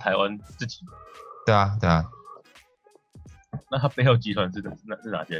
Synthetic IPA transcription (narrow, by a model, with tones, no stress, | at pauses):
t̪ʰa˨˧ɪwa˦nt͡s̩˥˨t͡ɕi˨˩t̪a˧˩t̪a˧˩ | na˥˨˩a˥pe˥˧ɪjo˥˩ʊt͡ɕi˧˥t̪ʰwa˧˦nʂɻ̩˥˩˧na˧ʂ̩˥˩na̰˨˩ɕjɛ˥